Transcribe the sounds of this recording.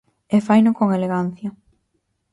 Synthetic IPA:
efajnʊkoŋeleɣan̟θjɐ

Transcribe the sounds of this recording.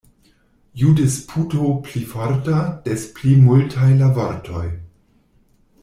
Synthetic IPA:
judespʰutoplifaɾtad̥esplimultʰajlavaɾtʰoj

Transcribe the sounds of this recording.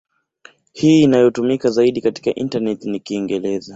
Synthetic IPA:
hiːnajɔtumikazaiɗikati̥kaʔḭntanɛtinikiːŋɡɛlɛza

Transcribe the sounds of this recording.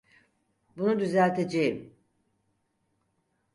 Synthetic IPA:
bunud̪yzælʲt̪ʰe̞d͡ʒe̞jim

